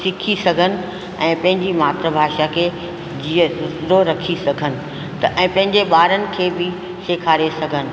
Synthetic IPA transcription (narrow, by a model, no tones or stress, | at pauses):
sɪkʰisɐɡʱənɪ̆ | ɛ̃ːpɐ̃ɦɪ̃ɲd͡ʑimaːt̪ɾəbʱaːʃakʰeː | d͡ʑiːəɾoɾɐkʰisɐɡʱənɪ̆ | t̪ɐʔɛ̃ːpɐ̃ɦɪ̃ɲd͡ʑeɓaːɾənɪ̆kʰeːbɪ | seːkʰaːɾesɐɡʱənɪ̆